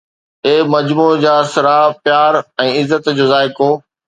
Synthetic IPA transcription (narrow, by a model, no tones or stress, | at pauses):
eːmɐd͡ʑmud͡ʑaːsɪɾapjaːɾɛ̃ːɪzːət̪d͡ʑoːzaːɪkõː